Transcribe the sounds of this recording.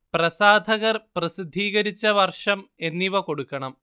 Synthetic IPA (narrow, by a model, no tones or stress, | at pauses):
prɐsaːd̪ʱɐɣɐrprɐsid̪ʱːiːɣɐɾit͡ɕːɐʋɐrʂɐme̞nːiʋɐko̞ɽukːɐɳɐm